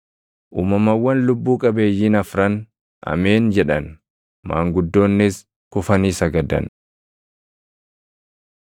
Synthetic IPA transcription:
ʔuːmɐmɐwːɐnlʊbːuːkʼɐbe̞ːjːiːnɐfɾɐn | ʔɐ̰me̞ːnd͡ʒɛᶑɐn | ma̰ːŋɡʊd̪ːo̞ːnːɪs | kʊfɐniːsɐɡɐd̪ɐ̰n

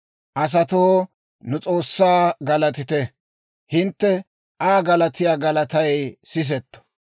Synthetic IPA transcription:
ʔɐs̬ɐt̪oː | nʊt͡sʼo̞ːsːaːɡɐlɐt̪ɪt̪ɛ | hɪnt̪ːɛ | ʔaːɡɐlɐt̪ɪjaːɡɐlɐt̪ɐjsɪs̬ɛt̪ːɔ̥

